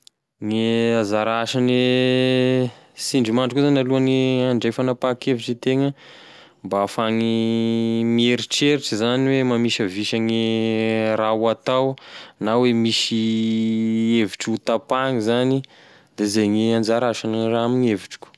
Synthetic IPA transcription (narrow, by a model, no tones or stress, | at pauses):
ŋeazaɾaʃane | siɳɖ͡ʐimaɳɖ͡ʐikuzanaluaniaɳɖ͡ʐejfanapakeviʈ͡ʂit̪eŋə | mbaafaŋi | mieɾiʈ͡ʂeɾiʈ͡ʂizaniwemamiʃəviʃaŋi | rawat̪awnawemiʃi | eviʈ͡ʂut̪apaŋizani | d̪̥ezejŋeand͡ʒaɾaʃaniraamiɲeviʈ͡ʂi̥kʲu̥